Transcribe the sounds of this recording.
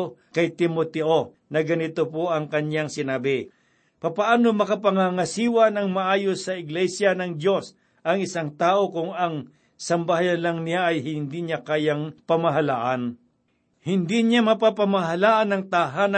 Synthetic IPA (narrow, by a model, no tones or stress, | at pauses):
kɐjt̪ɪmot̪ɛʔo | nɐɡɐnɪt̪opoʔɐŋkɐɲjaŋsɪnaːbɪ | pɐpɐʔaːnomɐkɐpɐŋaŋɐsiːwɐnɐŋmɐʔaːjosɐɪɡlɛsjɐnɐŋd̪jo̞s | ʔɐŋɪsaŋt̪aːʔo̞kʊŋɐŋ | sɐmbaajanlɐŋnɪjaʔɐjhɪnd̪iɲakaːjaŋpɐmɐɦɐlaːʔɐn | hɪnd̪iɲamɐpapɐmɐɦɐlaːʔɐnɐŋt̪aɦanɐ